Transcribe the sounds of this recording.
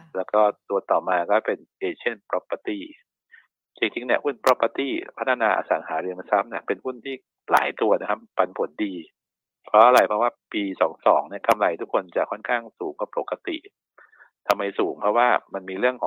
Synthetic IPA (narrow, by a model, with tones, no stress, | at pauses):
lɛː˦˥wkɔː˥˩t̪u˧ɐt̪ɔː˨˩maː˧kɔː˥˩pe˧nʔeː˧t͡ɕʰi˥˩˨npɾɔ˦˥pːa˧t̪iː˥˩ | t͡ɕi˧ŋt͡ɕʰi˧˥ŋni˥˩əhu˥˩npɾɔ˦˥pːa˧t̪iː˧˥˩pʰa˦˥t̪ʰːa˧naː˧ʔa̰ː˧sa̰ː˩˦ŋɦaː˩˦ɾɯ˧əŋ˧sa˦˥mni˥˩ɐpe˧nhu˥˩nt̪ʰiː˥˩ | la̰ː˩˦jt̪u˧ɐna˦˥kʰa˦˥pːa˧npʰo˨˩˦ndiː˧ | pʰɾɔ˦˥ʔa˧ɾa˧jpʰɔ˦˥waː˥˩piː˧sɔː˩˦ŋsɔ̰ː˩˦ŋni˥˩ɐka˧mla˧jt̪ʰu˦˥kʰːo˧nt͡ɕa˨˩kʰɔ˥˩nkʰaː˥˩ŋsuː˩˦ŋka˧˩po˨˩kːa˧t̪ḭ˨˩ʔ | t̪ʰa˧mːa˧jsuː˩˦ŋpʰɾɔ˦˥waː˥˩ma˧nmiː˧ɾɯ˥˩əŋkʰɔː˨˩˦ŋ